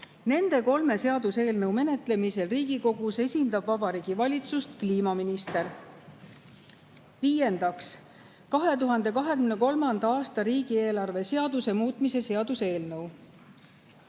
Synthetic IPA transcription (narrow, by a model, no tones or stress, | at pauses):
ne̞nd̪̥e̞ko̞lme̞se̞ɑd̪̥use̞ːlnɤwme̞ne̞t̪ˑle̞mise̞lriːɡ̥iko̞ɡ̥use̞sʲind̪̥ɑb̥vɑb̥ɑɾiːɡ̥ivɑlʲit̪sust̪kliːmɑminist̪e̞ɾ | viːje̞nd̪ɑks | kɑɦe̞t̪uɦɑnd̪̥e̞kɑɦe̞kymne̞ko̞lmɑnd̪ɑɑːst̪ɑɾiːɡ̥ie̞ːlɑrve̞se̞ɑd̪use̞muːt̪ˑmise̞se̞ɑd̪̥use̞ːlnɤw